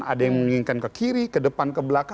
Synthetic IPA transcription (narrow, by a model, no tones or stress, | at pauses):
a̰dajaŋməmiŋiŋkankəkiɾikədəpankəbəlaka